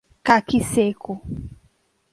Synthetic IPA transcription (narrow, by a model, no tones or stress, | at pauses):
kakiseko